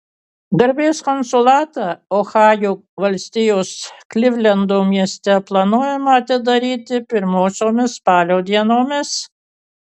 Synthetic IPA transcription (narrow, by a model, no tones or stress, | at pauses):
ɡɐɾʲbʲeːskɔnsʊlˠɑːt̪ɑɔxɑːjuː | ʋɐlʲsʲt̪ʲɪjoːsklʲɪʋʲlʲɛnd̪oːmʲiɛsʲt̪ʲɛplˠɑnuɔjɛmɐɐt̪ʲɪd̪ɐɾʲiːt̪ʲɪpʲɪɾmoːsʲoːmʲɪspɑːlʲoːd̪ʲiɛnoːmʲɪs